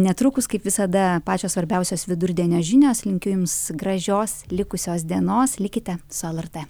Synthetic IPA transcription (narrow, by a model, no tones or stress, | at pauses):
nʲɛt̪ɾʊkʊskɐɪpʋʲɪsɐd̪ɐpɑːt͡ʃʲoːssʋɐɾʲbʲɛʊsʲoːsʋʲɪd̪ʊɾʲd̪ʲiɛnʲoːʒʲɪnʲoːslʲɪŋʲkʲʊjʊmsɡɾɐʒʲoːslʲɪkʊsʲoːsd̪ʲiɛnoːslʲɪkʲɪt̪ʲɛsʊɛlˠɛrt̪e